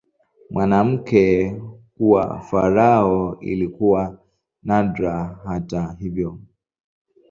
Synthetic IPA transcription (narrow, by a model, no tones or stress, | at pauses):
mwanam̩kɛkuwa̰faɾaɔḭlikuwa | nadɾaɦataɦivjɔ